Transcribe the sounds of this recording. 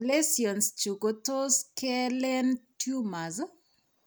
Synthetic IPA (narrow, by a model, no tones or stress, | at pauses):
lesiɔnst͡ʃukotoskɛlɛntjumazɔ